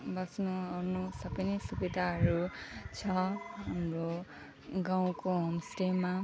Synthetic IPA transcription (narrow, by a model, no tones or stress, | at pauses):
bʌsnuɦʌɾnusʌbʌjnʌjsubid̪ʱaɦʌɾut͡sʰʌɦamro | ɡãw̃koɦomsʈema